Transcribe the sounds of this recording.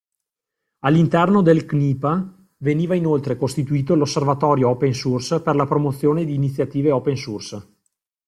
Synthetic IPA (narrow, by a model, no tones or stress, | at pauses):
alːint̪ɛrnod̪elkniːpa | veniːvainolt̪ɾekost̪it̪uiːt̪olosːervat̪ɔːɾjoɔpensursperlapɾomot̪sːjoːned̪iːnit̪sːjat̪iːveɔːpensurs